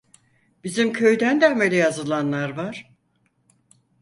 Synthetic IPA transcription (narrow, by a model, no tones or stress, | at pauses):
b̥izimcʰø̞jd̪ænd̪æmelʲɛjazɯlˠanlˠaɾvaɾ̥